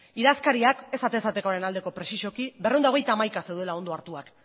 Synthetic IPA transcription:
iðaskaɾiake̞sat̪esat̪e̞koɾe̞nald̪e̞ko̞pɾe̞siʃo̞kibereond̪o̞ɣ̞e̞jt̪aːmajkase̞wðelao̞nd̪oaɾt̪uak

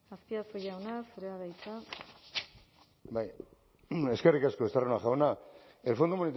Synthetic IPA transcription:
aspiasoʝawnasuɾeaðajt͡sa | baj | e̞ske̞rikaskoest̪aronaxawna | e̞lfond̪omunit̪

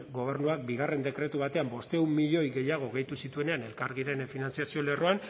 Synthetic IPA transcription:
ɡo̞β̞e̞ɾnuak̚biɣ̞are̞nd̪e̞kɾe̞t̪uβat̪e̞ambo̞st̪e̞wmːiʎo̞jɣe̞jaɣ̞o̞ɣe̞jt̪usit̪ue̞ne̞ane̞lkaɾɣiɾe̞nfinant͡siasio̞le̞roan

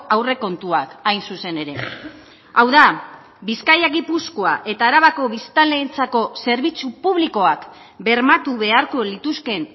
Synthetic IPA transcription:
awre̞ko̞nt̪uakajnsuse̞ne̞ɾe̞ | awða | biskajaɣipuskoaʔe̞t̪aːɾaβako̞βist̪aleint͡sako̞se̞ɾβ̞it͡supuβliko̞ak | be̞ɾmat̪uβe̞aɾko̞lit̪uske̞n

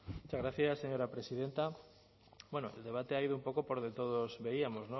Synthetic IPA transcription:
mt͡ʃaɣɾaθjasːe̞ɲoɾapɾe̞siðe̞nt̪a | bwenoḛld̪e̞β̞at̪eaið̞oumpo̞kopoɾd̪et̪oð̞ozβe̞iamoznõ

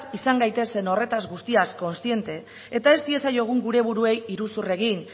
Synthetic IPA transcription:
sisaŋɡajt̪e̞se̞no̞re̞t̪azɣust̪iasko̞nst̪ie̞nt̪e̞ | et̪ae̞st̪ie̞sajo̞ɣ̞uŋɡuɾe̞β̞uɾue̞jiɾusure̞ɣin

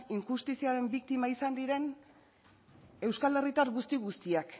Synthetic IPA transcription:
iŋkust̪isiaɾe̞mbikt̪imaisand̪iɾe̞n | e̞wskale̞rit̪aɾɣust̪iɣust̪iak

